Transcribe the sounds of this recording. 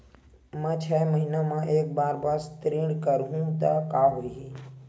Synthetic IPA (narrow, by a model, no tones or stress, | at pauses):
mɛ̃ːt͡ʃʰɛməɦinamãʔeːk̚baːɾbast̪ɾiɽkəɾɦũt̪akaːɦoːiɦi